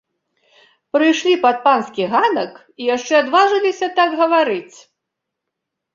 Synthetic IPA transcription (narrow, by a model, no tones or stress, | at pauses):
pɾɨjʂlʲipat̪̚panskʲiɣanɐk | ijaʂt͡ʂɛad̪vaʐɨlʲisʲɐt̪aɡɣɐvaɾɨt͡sʲ